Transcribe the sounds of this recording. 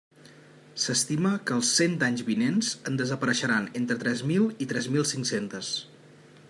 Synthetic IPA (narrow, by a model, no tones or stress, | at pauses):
səst̪iməkəːlˠsːent̪aɲzβinenzənd̪əzəpəɾəʃəɾanent̪ɾət̪ɾɛzmilˠit̪ɾɛzmilˠsiŋksent̪əs